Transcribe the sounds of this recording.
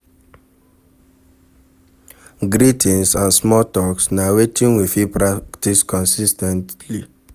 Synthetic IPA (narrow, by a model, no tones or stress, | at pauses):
ɡɾitʰĩnsãnsmɔtɔksnawetʰĩnwifipɹakktiskɔ̃nsistɛ̃ntli